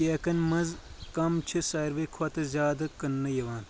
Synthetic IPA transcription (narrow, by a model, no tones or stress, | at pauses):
eːkɐnmɐzkɐmt͡ʃʰisaːɾʋeːkʰɐt̪ɨzʲjaːd̪ɐkɐnːɐjɐʋaːn